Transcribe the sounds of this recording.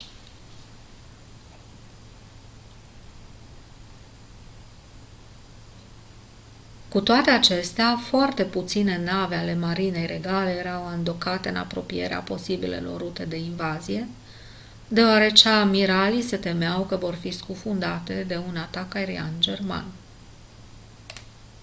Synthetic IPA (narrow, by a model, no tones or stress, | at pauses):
kut̪oat̪e̞at͡ʃe̞st̪eafoart̪e̞put̪sine̞nave̞ale̞maɾine̞jɾʔe̞ɡale̞jeɾawaɨnd̪o̞kat̪e̞ɨna̰pɾo̞pije̞̰ɾea̰po̞sibḭlḛlo̞̰rːut̪e̞d̪e̞invazije̞ | d̪e̞oaɾe̞t͡ʃeamiɾalise̞t̪e̞meawkəvo̞rfiskufund̪at̪e̞d̪e̞unat̪akaeɾḭa̰nd͡ʒe̞rma̰n